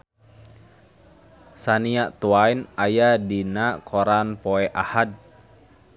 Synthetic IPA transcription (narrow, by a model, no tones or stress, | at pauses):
saniaʔt̪uajnajadinakʰɔɾanpɔɛʔahad̚